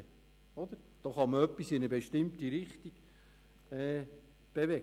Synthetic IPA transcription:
ɔd̪əɾd̪̥oːχɑməœpːisɪnəbeʃtɪmt̪iɾɪχt̪iɡ̥ | ɛː | b̥evɛk

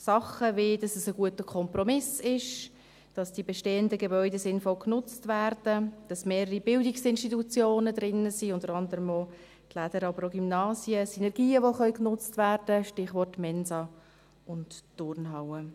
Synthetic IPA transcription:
sɑχəvɪd̥ɑsəsəɡuətəkʰɔmpɾɔmɪsɪʃ | d̥ɑsd̥ibɛʃteːəndəɡebœʏdesɪnfɔlknʊt͡stvæːɾd̥əd̥ɑsmeːɾəɾibɪldɪksɪnʃtitut͡sjoːnədɾɪnːəsiːʊndəɾɑndəɾəmo | tlæd̥əɾɑbəɾoɡymnɑːzjəsinɛɾɡ̥iːəʋoχœʏknʊt͡stvæːɾd̥əʃtɪχʋɔrtmɛnzɑ | ʊntːʊrnɦaʊə

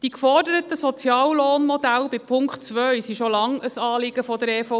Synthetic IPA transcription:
d̥ikfɔrdəɾət̪əsɔt͡sjɑːlloːnmɔdælbɪpʰʊŋktt͡sʋœɥsiʃolɑŋəsɑːlɪɡ̥əfɔdəɾɛfɔ

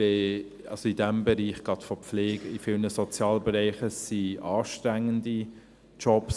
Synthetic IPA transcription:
e | ɑ̰lsoidɛmbɛɾiːχɡ̥ʁɑtfɔp͡fleːɡ̥əifiːlnəsɔt͡sjɑːlbɛɾɛɪχəsiʔɑːʃtɾæŋːəndi | t͡ʃɔps

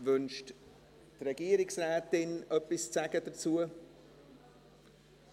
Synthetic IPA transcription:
vʏnʃt | trɛɡ̥iːəɾɪksrɛːtɪnʔœpɪst͡saɡədət͡suːə

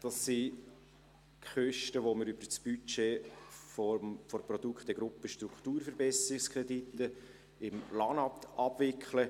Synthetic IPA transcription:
d̥ɑsːi | χœʃtəʋoməɾyb̥ət͡sb̥yt͡ʃeːffɔɾprɔd̥̪ukχtɛɡ̥ɾʊpːəʃtɾukt̪uːɾfəɾbɛsəɾɪkskɾɛditːə | ɪmlɑnɑpt̪ɑb̥vɪkχlə

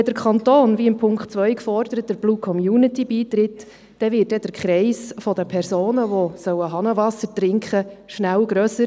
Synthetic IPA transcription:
ɛd̪əɾkχɑnt̪oːnviɪmpʰʊŋkχtt͡svʋœʏkfɔɾdəɾət̚dəɾb̥luːkʰɔmjuːnɪtibiːt̪ɾɪt | d̥ɛvɪt̚dɛdəɾkχɾɛɪsfɔdəpʰɛɾsoːnəʋosœwəɦɑnəvɑsəɾtɾɪŋkχəʃnæwɡɾœːsə

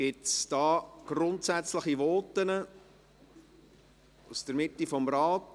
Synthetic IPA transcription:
ɡ̥ɪtsd̥ɑːɡ̥rʊntsæt͡sləχiʋɔːtːənə | usd̥əɾmɪtːifɔmɾɑːt

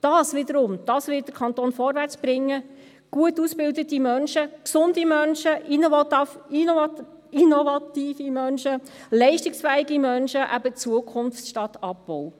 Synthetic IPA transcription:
d̥ɑːsʋɪd̪əɾʊmd̥ɑːsʋɪd̥əɾkʰɑnt̪oːnfɔɾʋært͡sb̥ɾɪŋːə | ɡ̥uətusbɪldətimœnʃəksʊndimœnʃəʔin | inɔvɑt̪iːfimœnʃəlɛɪʃtɪksfɛːiɡimœnʃəʔæbət͡suəkʰʊnft͡sʃtɑtɑp̚b̥ɔw

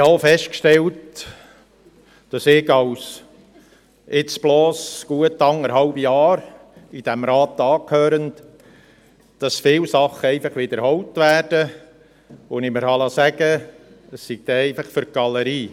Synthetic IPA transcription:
hɑfɛʃt̚kʃtɛlt | d̥ɑsɪɡɑws | ɪt͡sb̥loːsɡ̥uətːɑŋəɾɦɑʊbijɑːɾ | id̥æmɾɑːt̪ɑːkʰhøːɾənt | d̥ɑsfɪwsɑχəɛɪfɑχʋɪd̪əɾhɔwtʋæːrd̥ə | onɪməɾhɑlɑsæɡ̥ə | əssiɡ̥̚d̥̪ɛɛɪfɑχfʏɾ̚ɡ̥ɑləɾiː

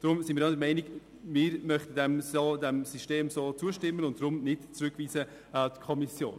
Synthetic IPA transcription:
d̥ɾʊmsɪnmiːɾadəmɛɪnɪk | mɪːɾmœχtədɛmdɛmsiʃteːmsoːt͡suːəʃtɪmːənʊnt̚d̥rʊmnɪtt͡sɾʏkviːzə | atkʰɔmisjo̰ːn

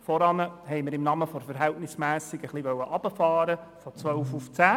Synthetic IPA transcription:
fɔɾɑnəɦɛɪməɾɪmnɑməfɔɾfəɾɦɛltnɪsmæːsɪɡəχliʋœwəʔɑb̥əfɑːɾə | fɔt͡sʋœʊfuft͡sæː

